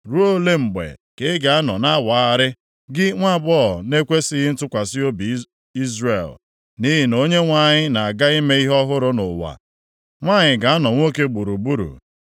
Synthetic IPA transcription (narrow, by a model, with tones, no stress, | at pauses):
ɾu˦o˦le˦mŋ͡m̩˨ɡ͡bḛ˨ke˨ɪ˦ɡa˨a˦nɔ˨na˦wa˨a˦ɾɪ˦ | ɡɪ˦ŋʷa˦˨bɔ˦˨ne˦kʷe˦si˦ɦi˦n̩˦tʊ˦kʷa˨sɪ˦o˦bi˨ | i˦zɾe˨l | ni˦ɦi˦no˦ɲe˦ŋʷa˦˨ɲɪ˦na˨a˨ɡa˦i˦me˦i˦ɦɔ˦ɦʊ˦ɾʊ˦nʊ˨wa̰˨ | ŋʷa˦ɲɪ˨ɡa˨a˦nɔ˨ŋʷo˦ke˦ɡ͡bu˨ɾu˨bu˦ɾṵ˨